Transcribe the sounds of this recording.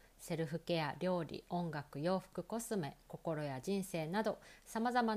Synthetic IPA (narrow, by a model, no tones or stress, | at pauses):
se̞ɾɯ̟ɸɯ̟ke̞jaɾʲo̞ːɾʲḭõ̞ŋɡakɯ̟jo̞ːɸɯ̟̥kɯ̟ko̞sɨme̞ko̞ko̞ɾo̞jaʑĩɰ̃se̞ːnad̪o̞samazama